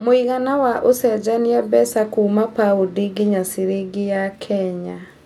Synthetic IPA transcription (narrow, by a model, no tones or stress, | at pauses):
moiɣanawaʔosɛd͡ʒaniɛbɛsakuːmapaodiɡɪɲasiɾeɡɪjakʰɛɲa